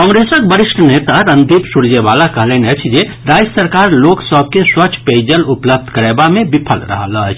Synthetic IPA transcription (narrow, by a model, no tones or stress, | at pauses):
kɔ̃ŋɾesək̚bəɾiʃʈʰənet̪aɾənd̪ʱipsuɽd͡ʒebalakəɦlənət͡ʃʰd͡ʒe | ɾajsəɾkaɾloksəb̚ʱkeswət͡ʃʰped͡ʒəlupləb̚d̪ʱkəɾebamebipʰəlɾə̰ɦə̰lət͡ʃʰ